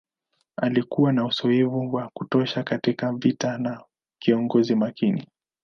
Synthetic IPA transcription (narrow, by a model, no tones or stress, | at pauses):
alikuwanausɔɛvuwakutɔʃakatikavitana | kiɔŋɡɔzimakini